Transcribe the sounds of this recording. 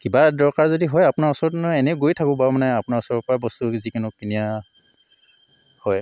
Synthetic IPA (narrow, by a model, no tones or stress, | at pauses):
kibadɔɹkaɹzɔdiɦɔjapʊnaɹɔsɔɹɔtnɔɛnɛʊɡojtʰakʊ̃bamanɛapʊnaɹɔsɔɹɔt̚pɔɹabɔstuzikanʊkinija | hɔj